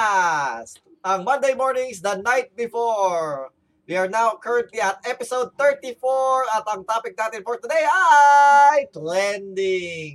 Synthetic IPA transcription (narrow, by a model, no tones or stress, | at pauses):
s | ɐŋmɐ̃nd̪ejmɔɹnɪ̃ŋsd̪ɐnajt̪̚bɪfɔɹ | wiaɹnawkʰəɹɛ̃nt̪liɐt̪̚ɛpɪsoʊd̪̚θɛɹt̪ifɔɹɐt̪ɐ̃ŋt̪apɪk̚nat̪ɛnfɔɹt̪ʊd̪eja | jplɛnd̪ɪŋ